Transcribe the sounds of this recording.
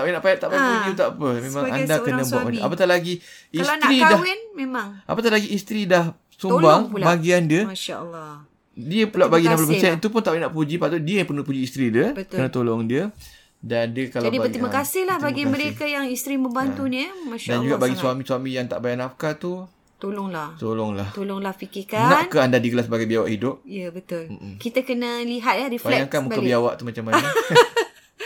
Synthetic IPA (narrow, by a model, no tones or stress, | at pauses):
t̪awinaʔpajaʔt̪aʔbajapud͡ʒiut̪apəmẽmaŋŋadakənambuaʔmaapat̪aʔlaɡiilstnɾidawinmemaŋʔa̰pat̪alaɡiːst̪ɾidah | sumbaŋulbaɡiandiəmaʃalː | diəpulaʔbaɡinapəlabəsiait̪upʊnt̪aʔwinaʔpud͡ʒipat̪udiəjapənupud͡ʒiːst̪ɾidiək̪ənat̪olɔŋdiə | dandiəkalad͡ʒadipət̪ɾimakasɪhlahbaɡiməɾekajaŋist̪ɾimə̃mbant̪unəmãʃdand͡ʒuɡaʔbaɡisuamisuamijaŋt̪a̰ʔbajanafkat̪u | t̪olɔŋlaht̪olɔŋlaht̪olɔŋlahfikɪkanankəandadikəlasəbaɡajbiawa̰ʔhidʊp̚iəbət̪ʊlm̩kit̪akənaliɦat̪̚lahɾifbalɛaŋkanmukabiawaʔt̪umat͡ʃamːanə